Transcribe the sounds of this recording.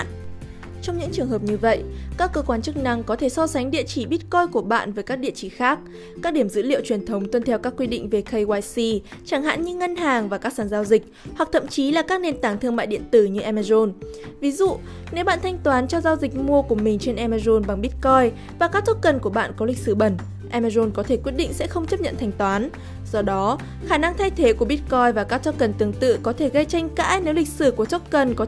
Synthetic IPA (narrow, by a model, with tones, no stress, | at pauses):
t͡ɕɔ˧wŋ͡mɲɨ̰˧˥ŋt͡ɕɨ˨˩əŋɦəː˨˩p̚ɲɨ˧və̰˧˨jʔkaː˦˥kːəː˧kwaː˨˧˦nt͡ɕɨ˦˥k̚na˧ŋkɔ˨˦t̪ʰe˧˩sɔ˧sa˨˦ŋɗḭ˧˨ət͡ɕi˧˩ɓi˦˥t̚kɔ˧jku˧˩əɓa̰ː˧˨nvəː˨˦jkaː˦˥k̚ɗḭ˧˨ət͡ɕi˧˩xaː˦˥k̚ | kaː˦˥k̚ɗi˧˩əmzɨ̰˧˥lḭ˧˨wt͡ɕwi˨˩ənt̪ʰə˨˦wŋ͡mt̪wə˧nt̪ʰɛ˧˩wkaː˦˥kːwi˧ɗḭ˧˨ŋ̟ve˨˩kʰə˧jwaː˧jsi˧t͡ɕaː˧˩ŋɦa̰ː˧˥nɲɨ˧˥ŋə˧nɦaː˨˩ŋvaː˨˩kaː˦˥ksaː˧˩nzaː˧wzï˨˩k̟̚hwa˨˩k̚t̪ʰə̰˧˨mt͡ɕi˨˦laː˨˩kaː˦˥k̚ne˧nt̪aː˧˩ŋt̪ʰɨ˧əŋma̰ː˧˨jɗḭ˧˨ənt̪ɨ˧˩ɲɨ˧ʔɛ˧maː˧zo˧nvi˨˦zṵ˧˨ | ne˨˦wɓa̰ː˧˨nt̪ʰa˧jŋ̟t̪waː˨˦nt͡ɕɔ˧zaː˧wzï˨˩k̟̚mu˧əku˧˩əmï˨˩ŋ̟t͡ɕe˧nʔɛ˧maː˧zo˧nɓa˨˩ŋɓi˦˥t̚kɔ˧j | vaː˨˩kaː˦˥k̚t̪ʰo˦˥t̚kə˨˩nku˧˩əɓa̰ː˧˨nkɔ˨˦li˨˩k̟̚sɨ˧˩ɓə˨˩n | ʔɛ˧maː˧zo˧nkɔ˨˦t̪ʰe˧˩kwi˦˥t̚ɗḭ˧˨ŋ̟sɛ̰˧˥xə˧wŋ͡mt͡ɕə˦˥p̚ɲə̰˧˨nt̪ʰa˧jŋ̟t̪waː˨˦n | z̥ɔ˧ɗɔ˨˦ | xaː˧˩na˧ŋt̪ʰa˧jt̪ʰe˨˦ku˧˩əɓi˦˥t̚kɔ˧jvaː˨˩kaː˦˥k̚t̪ɔ˦˥t̚kə˨˩nt̪ɨ˨˩əŋt̪ɨ̰˧˨kɔ˨˦t̪ʰe˧˩ɣə˧jt͡ɕa˧jŋ̟ka̰ː˧˥jne˨˦wli˨˩k̟̚sɨ˧˩ku˧˩ət̪ʰo˦˥t̚kə˨˩nkɔ˨˦